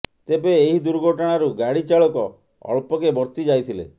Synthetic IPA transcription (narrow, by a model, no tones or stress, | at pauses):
t̪ebeːɦid̪uɾɡʱoʈɔɽ̃aɾuɡaɽit͡ʃaɭɔkɔ | ɔ̰ɭpɔkebɔɾt̪id͡ʒajt̪ʰilḛ